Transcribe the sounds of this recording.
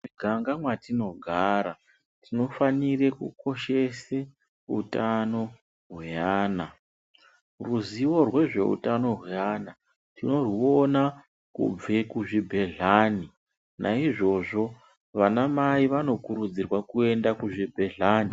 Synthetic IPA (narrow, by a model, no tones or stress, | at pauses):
iɡʱaŋɡamwatino̞ɡʱaɾa | tino̞fanire̞kṵko̞ʃe̞se | utano̞ | ɦweaːna | ruziwo̞rwe̞ʐe̞̰ṵtano̞ɦweana | tino̞riona | kṵb͡vekuʐibʱe̞ɮaːni | nʔaiʐo̞ʐo̞ | ʋanamaiʋano̞kuɾud͡zirwakue̞ndakuʐibʱe̞ɮaːni